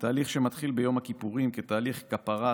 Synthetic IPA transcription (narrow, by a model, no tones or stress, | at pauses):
t̪aːliχʃe̞mat̪χilbe̞jo̞mhakipuʁimket̪aːliχkapaʁa